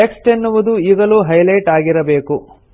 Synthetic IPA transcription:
eksʈenːuʋud̪uiːɡɐluːɦɐjlɐjʈaːɡiɾɐbe̞ːku

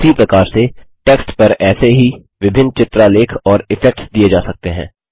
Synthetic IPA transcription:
siːpɾɐkaːɾseʈeːksʈpɐɾɛːseɦi | ʋɪbʱɪnt͡ʃɪt̪ɾaleːkʰɔːɾɪfɛk̚ʈsd̪ied͡ʒaːsɐk̚t̪eɦɛ̰̃ː

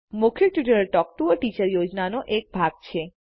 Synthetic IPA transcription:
mukʰeɾʈiʈəɾeɾʈɔk̚ʈ̪uoʈit͡ɕaɾjod͡ʑnanoʔek̚bʱaɡ̚t͡ɕʰe

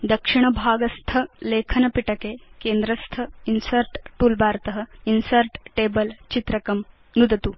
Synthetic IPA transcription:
d̪ɐkʂiɳ̃ɐbʱaːɡɐst̪ʰɐleːkʰɐnɐpiʈɐkeːkeːnd̪ɾɐst̪ʰɐinsɐɾʈʈuːlbʱaːɾt̪ɐɦɐ̆insɐɾʈʈeːbɐlt͡ʃit̪ɾɐkɐm | nud̪ɐt̪u

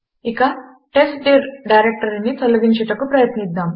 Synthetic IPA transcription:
ikɐ | ʈesʈɖiɾɖajɾek̚ʈɐɾnːit̪olɐɡiɲt͡ʃɐʈɐkupɾɐjɐt̪nid̪ːaːm

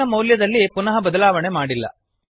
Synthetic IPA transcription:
ɐmɐwljɐd̪ɐlːipunɐɦɐbɐd̪ɐlaːʋɐɳemaːɽilːɐ̰

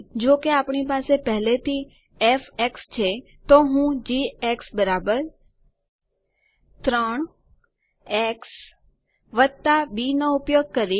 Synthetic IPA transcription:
d͡ʒokeapɳipasepɛɦlet̪i | efekst͡ʃʰe | t̪oɦũd͡ʒieksbəɾabəɾ | t̪ɾəɳ̃ | eks | ʋət̪abinoupjoɡ̚kəɾi

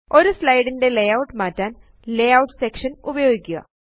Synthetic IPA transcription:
o̞ɾuslɐjɽinde̞lejɐwʈmaːtːaːn | lejɐwʈsekʂɐnubɐjo̞ːɡikʲːuɣɐ̰

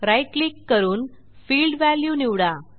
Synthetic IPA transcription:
ɾajʈlikːəɾuːn | fiːlɖʋæljuːniwɽa

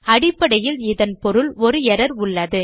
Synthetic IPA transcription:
ɐɽɪpːɐɽɐjɪlɪðɐnpɔɾɯlɔɾɯɛɾɐɾʊɭːɐðɯ

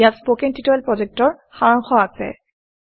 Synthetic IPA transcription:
jatspokeŋtitɔɛlpɹɔzɛk̚tɔɹ | xaɹɔŋxɔasɛ̰

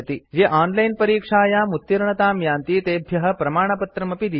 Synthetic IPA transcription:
t̪id͡ʒeːʔaːnlɐjnpɐɾiːkʂaːjaːmut̪ːjɐɾɐɳɐt̪aːmjaːnt̪it̪eːbʱjɐɦɐ̆pɾɐmaːɳ̃ɐpɐt̪ɾɐmɐpid̪i

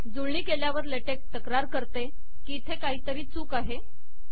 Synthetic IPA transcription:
d͡zuɭɳiːkeljaʋəɾleʈek̚t̪əkɾaɾkəɾt̪e | kiːt̪ʰekaɦiːt̪əɾiːt͡suːkaɦe

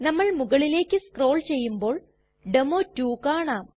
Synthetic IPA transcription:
nɐmːɐɭmuɣɐɭile̞ːkːɨskro̞ːɭt͡ɕe̞jːumbo̞ːɭ | ɖemoːtːuːkaːɳaːm

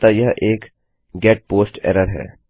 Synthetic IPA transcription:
t̪ajɐɦʔeːk | ɡɛːʈ̚poːsʈɛ̰ːɾəɾɦɛ̰ː

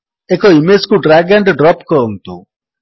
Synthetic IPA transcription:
ekoimeskuɖɾaɡaɳʈɖɾɔpkɔɔŋt̪ṵ

